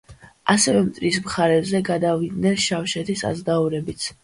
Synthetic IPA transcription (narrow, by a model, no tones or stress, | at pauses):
asɛvɛmt̪ʼɾismχaɾɛbzɛɡad̪avid̪nɛnʃafʃɛt̪ʰisa̰zd̪auɾɛbit̪sʰ